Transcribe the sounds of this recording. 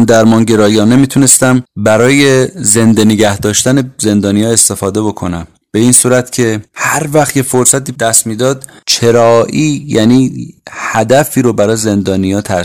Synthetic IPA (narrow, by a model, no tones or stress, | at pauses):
nd̪æɾmɒːnɟe̞ɾɒːjɒːne̞miːt̪ʰune̞st̪æmbæɾɒːje̞ze̞nd̪eneɟæhd̪ɒːʃt̪æneze̞nd̪ɒːnijɒːe̞st̪e̞fɒːd̪e̞bo̞kʰo̞næm | b̥e̞iːnsuːɾæt̪cʰe̞hæɾvæxt̪je̞fo̞ɾsæt̪iːd̪æst̪miːd̪ɒːd̪̥t͡ʃʰe̞ɾɒːʔiːjæniːhæd̪æfiːɾobæɾɒːjeze̞nd̪ɒːnijɒːt̪ʰæ